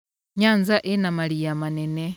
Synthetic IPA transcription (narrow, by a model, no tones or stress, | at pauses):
ɲaːnzaʔɛnamalijamanɛne